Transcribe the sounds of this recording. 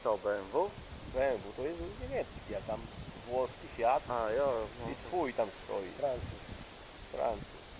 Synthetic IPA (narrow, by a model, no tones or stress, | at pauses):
sawbɛnvu | bɛɱvut̪ɔjɛst̪ɲɛmʲjɛt̪skʲijakt̪amvwɔskʲifʲjat̪ajɔit̪fujt̪amst̪ɔ̰jḭfɾant̪sus | fɾa̰nt̪sṵs